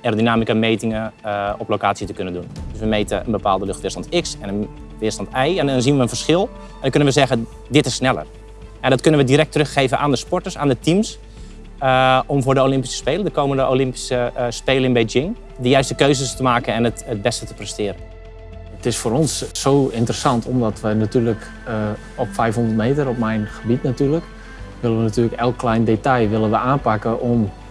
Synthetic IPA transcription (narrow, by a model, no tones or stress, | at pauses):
ɛrdinaːmikameːtɪŋəɔplokaːsjətəkønəndundøsʋəmeːtə̰ə̰nbəpaːlˠdəløxtʋɪːrstɑntɪksɛnən | ʋɪːstɑntɛjɛndɔnzinʋəənfərsxɪlˠ | ɛndɔnkønənʋəzɛɣə | dɪtɪsːnɛlə̰r | ɛdɔtkønənʋədiɾɛk̚trøxxeːvənʔaːndəspɔtərsa̰ːndətims | əɔmvʊːrdəolɪmpi̥sə̥speːlədəkoːməndəʔo̰lɪmpi̥səspeːləɪŋbed͡ʒɪŋ | dəjœɥstəkøɥzəstəmaːkənɛnətət̚bɛstətə̥prɛstɪːɾən | ətɪsfʊːɾɔnsːoːɪntərəsɑntʰɔmdɔtʋənatyːrlək | ɔpfɛjfhɔndərtmeːtərɔp̚mɛjnxəbitnatyːrlək | ʋɪlənʋənatyːləkɛlˠkːlɛjndetɑjʋɪlənʋəaːnpakəʔɔm